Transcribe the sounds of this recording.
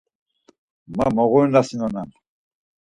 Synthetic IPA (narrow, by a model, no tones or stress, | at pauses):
mamɔɣunasinɔnan